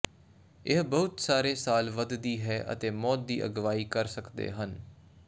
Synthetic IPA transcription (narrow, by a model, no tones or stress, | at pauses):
ɪɦbəɦʊt̪saːɾeːsaːlʋəd̪d̪iːɦɛːʔə̰t̪eːmɔːt̪̚d̪ḭːʔə̰ɡʋaːiːkəɾsəkd̪ḛːɦən